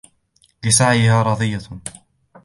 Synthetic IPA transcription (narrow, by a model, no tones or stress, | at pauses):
lɪsaʕjɪhaːɾˤɑd̪ˤɨjːa